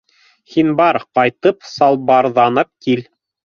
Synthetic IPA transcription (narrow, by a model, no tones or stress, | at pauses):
hinbɑɾqɑjt̪ɤpsɑlˠbɑɾðɑnɤp̚kil